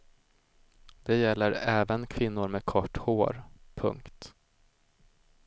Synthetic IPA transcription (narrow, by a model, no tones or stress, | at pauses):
d̪̥ɛjɛlːəɾɛːvənkʰvɪnːʊɾmeːd̪kʰɔʈːhoːɾpʰɵ̰ŋkt̪